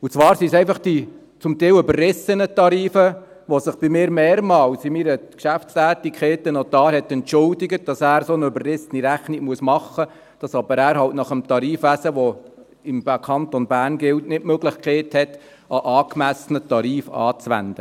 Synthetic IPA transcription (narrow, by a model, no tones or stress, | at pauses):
ut͡sʋɑːɾsisɛɪfɑχd̥i | t͡sʊmt̪ɛɪløbərrɪsənət̪ɑɾiːfə | ʋɔsəχb̥imɪːɾmeːɾmɑːlsɪmiɾəkʃæftstæːtikχeːtənɔt̪ɑːɾhɛt̪ːɛntt͡ʃʊldɪɡət̚d̥ɑsæːɾsonəøbərrɪsəniɾæχnɪɡmuəsmɑχːə | d̥ɑsɑbəɾæːɾhɑltnɑχəmt̪ɑɾiːfʋæsəʋɔ | ɪmkʰɑntɔnbæːrnɡɪltnɪtmøɡlɪχkʰɛɪthɛt | ɑʔɑːkmæsənətɑɾiːfɑ̰ːt͡sʋæ̰nd̥̪ə